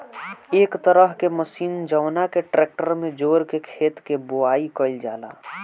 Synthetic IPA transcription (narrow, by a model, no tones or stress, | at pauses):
eːkt̪əɾəɦkeməsiːnd͡ʒəːnakeʈɾeːk̚ʈəɾmẽd͡ʒoːɾkekʰeːt̪keboaːikəɪld͡ʒa̰ːla̰ː